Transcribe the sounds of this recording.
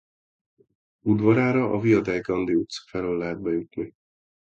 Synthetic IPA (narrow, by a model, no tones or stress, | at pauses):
ud̪vɒɾaːɾɒʔɒvijɒd̪ɛjɡɒnd̪iut̪sfɛløːlːɛɦɛd̪̚bɛjut̪ni